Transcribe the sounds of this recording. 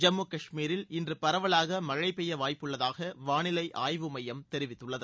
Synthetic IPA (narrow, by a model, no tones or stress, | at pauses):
d͡ʒɐmːɯkɐʂmiːɾɪlɪndrɯpɐɾɐʋɐɭaːɣɐmɐɻɐɪpɛjɐʋaːjpːɯɭːɐðaːɣɐʋaːnɪlɐɪʔʔaːjʋɯmɐjɐmt̪ɛɾɪʋɪt̪ːɯɭːɐðɯ